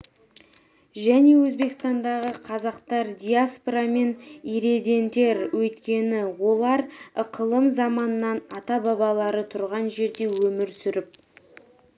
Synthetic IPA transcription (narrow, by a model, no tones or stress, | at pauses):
ʒæne̞wɵzbe̞kst̪ɑnd̪ɑʁəqʰɑzɑqt̪ɑɾd̪ʲijaspoɾɑme̞niɾe̞d̪e̞nd̪e̞ɾwɵjt̪kʲe̞nɪwo̞lˠɑɾəqʰəlˠəmzɑmɑnənɑnɑt̪ɑbɑbɑlˠɑɾət̪ʰʊɾʁɑnʒe̞ɾd̪e̞wɵmɪɾsʏɾɪp̚